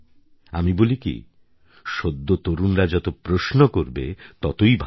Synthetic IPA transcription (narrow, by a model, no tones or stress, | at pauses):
amibolikḭ | ʃod̪ːot̪oɾunɾad͡ʑɔt̪opɾoʃnokoɾbḛt̪ɔt̪ojbʱ